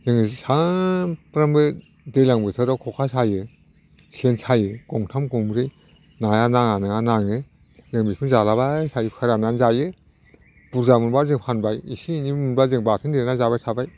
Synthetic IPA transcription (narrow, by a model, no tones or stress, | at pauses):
zɯŋɯsapɾambɯ | dejlaŋbɯtʰɯɾakʰɔkʰasajɯ | sʰensʰajɯɡɔŋtʰamkɔmɾɯj | najanaŋanɯŋanaŋɯ | zɯŋbikʰɯnzalaβajsʰajikʰaɾananzajɯ | b̥uɾzamunbaɾzɯŋpʰanbajisinimunbazɯŋbatʰɯndenazabajsʰabaj